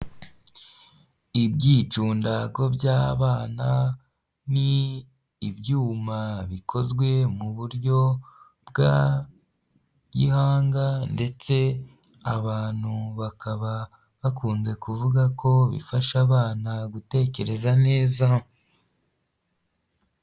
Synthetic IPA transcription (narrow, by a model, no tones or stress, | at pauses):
ibɟit͡ʃuːndaɡo̞bɟaːβaːna | niː | bjuːmaβikʰo̞zɡwe̞muβuɾjo̞ | bɡa̰ | ɟḭhaːŋɡande̞t͡se̞ | a̰βaːn̥huβakʰaβa | βakuːnze̞kuvuɡakʰo̞βḭfaʃaβaːnaɡute̞ːce̞ɾe̞zane̞ːza